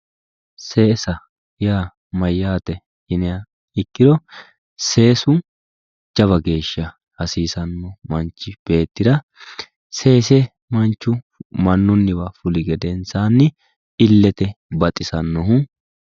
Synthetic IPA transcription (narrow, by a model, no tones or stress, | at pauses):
seːsɐ | jaː | mɐjːaːt̪ɛ | hɪnɪja | ɪkːɪd̪ɔ | se̞ːsʊ | d͡ʒɐβɐɡe̞ːʃːɐ | hɐsiːsɐnːɔmɐnt͡ʃːɪb̥e̞ːt̪ːɪd̪ɐ | se̞ːsɛ | mɐnt͡ʃːʊ | mɐnːʊnːɪbɐfʊlɪɡɛd̪ɛnsaːnːɪ | ɪlːɛt̪ɛbɐt̪ʼːɪsɐnːɔɦʊ